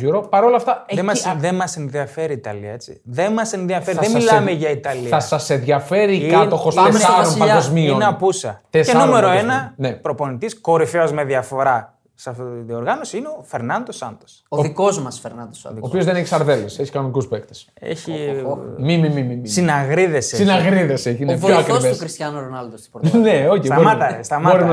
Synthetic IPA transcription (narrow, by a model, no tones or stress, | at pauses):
ʝuɾopɐɾo̞lɐft̪ɐemɐðemɐsenðiɐfeɾiːt̪ɐ̰lḭɐet͡sḭðenmɐsenðiɐfeɾiðemilmeʝɐit̪ɐliɐsɐsenðʝɐfe̞ɾikɐt̪oxosemsɐɾonpɐɡozmioneɐpusɐt̪esenuume̞ɾo̞enɐnepɾo̞po̞nit̪isko̞ɾifeozme̞ðiɐfo̞ɾɐ | sɐðioɾɣɐnosiineofeɾnɐnd̪osɐ̰nd̪os | oðikozmɐsfeɾnɐd̪ooːpiozðeneçi̥sɐɾðe̞lese̞çi̥kɐnonikuspekt̪e̥s | ḛçi | mimimimimsinɐɣɾiðesesinɐɣɾiðe̞seineçoɐkɾiveoxɾist̪jɐnoɾonɐld̪osi̥oneo̞çib̪ɐoɾmiɐt̪ɐst̪ɐmbɐoɾin